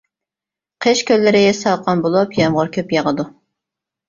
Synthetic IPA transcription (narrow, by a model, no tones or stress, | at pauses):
qʰeʃkʲʰølːɪɾɪjɛsɑwqʰɑnbolˠupjɛmʁʊɾkʲʰøpjɑʁəd̪u